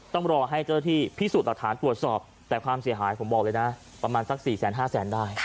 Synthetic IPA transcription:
t̪ɔ˥˩ŋɾɔː˧ɦa˥˩jt͡ɕa˥˩na˥t̪ʰiː˥˩pʰi˦˥˩su˨t̪̚la˨˩k̚t̪ʰaː˩˦nt̪ɾu˨˩ət̪̚sɔː˨˩p̚ | t̪ɛː˨˩kʰwaː˧msi˨˩˦əɦaː˩˦jpʰo˩˦mbɔː˨˩k̚lɤː˧jna˦˥ | pɾa˧maː˧nsa˨˥k̚siː˨˩sɛː˩˦nɦaː˥˩sɛː˩˦ndaː˥˩j

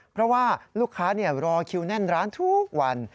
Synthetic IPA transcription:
pʰɾɔ˦˥waː˥˩luː˥˩kʰːaː˦˥ni˥˩ɐɾɔː˧kʰi˧wnɛ˥˩nɾaː˦˥nt̪ʰu˦˥k̚wa˧n

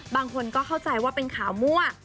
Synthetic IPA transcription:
baː˧ŋkʰo˧nkɔː˥˩kʰa˥˩wt͡ɕa˧jwaː˥˩pe˧nkʰaː˩˦wmu˥˩ɐ

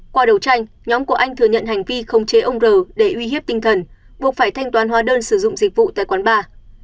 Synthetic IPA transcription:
kwaː˧ɗə˨˩wt͡ɕa˧jŋ̟ | ɲɔ˨˦mku˧˩əʔa˧jŋ̟t̪ʰɨ˧˩əɲə̰˧˨nɦa˨˩jŋ̟vi˧xə˨˧˩wŋ͡mt͡ɕe˨˦ʔə˧wŋ͡mzəː˨˩ɗe˧˩ʔwi˧ɦi˦˥əp̚t̪ï˧ŋt̪ʰə˨˩n | ɓu˨˩ək̚faː˧˩jt̪ʰa˧jŋ̟t̪waː˨˦nɦwaː˨˦ɗəː˧nsɨ˧˩zʊ̰˧˨ŋ͡mzi˨˩k̚vṵ˧˨t̪a̰ː˧˨jkwaː˨˦nɓaː˧

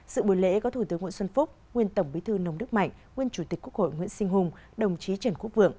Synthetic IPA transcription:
sɨ̰˧˨ɓu˧˩jlḛ˧˥kɔ˨˦t̪ʰu˧˩t̪ɨ˨˦əŋwḭ˧˨sə˧nfʊ˦˥k͡p̚ŋwi˧ənt̪ə˧˩wŋ͡mɓi˨˦t̪ʰɨ˧nə˧wŋ͡mnɨ˦˥k̚ma̰˧˨jŋ̟ŋwi˧ənt͡ɕu˧˩t̪i˨˩ku˦˥əkho̰˧˨jŋwḭ˧˨ənsï˧ŋ̟ɦʊ˧ŋ͡m | ɗə˨˩wŋ͡mt͡ɕi˨˦t͡ɕə˧˩nku˦˥ək̚vɨ̰˧˨əŋ

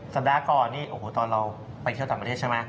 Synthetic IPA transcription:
sa˨˩p̚daː˧kɔː˨˩nːiː˥˩ʔoː˨˩˦t̪ɔː˧nɾa˧w | pa˧jt̪ʰi˩t̪aː˨˩pa˧e˥˩t͡ɕʰma˦˥

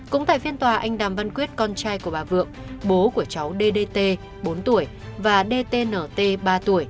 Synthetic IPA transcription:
kʊ̰˧˥ŋ͡mt̪a̰ː˧˨jfi˧ənt̪waː˨˩ʔa˧jŋ̟ɗaː˨˩mva˧nkwi˦˥ət̚kɔ˧nt͡ɕaː˧jku˧˩əɓaː˨˩vɨ̰˧˨əŋɓo˨˦ku˧˩ət͡ɕa˨˦wɗe˧ɗe˧t̪e˧ | ɓo˨˦nt̪u˧˩əj | vaː˨˩ɗe˧t̪e˧nəː˧˩t̪e˧ɓaː˧t̪u˧˩əj

